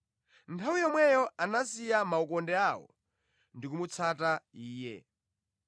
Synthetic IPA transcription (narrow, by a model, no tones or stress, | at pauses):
ntʰawijɔmwɛjɔanasijamaukɔndɛawɔ̰ | ndikumut͡sʰataiːjɛ̰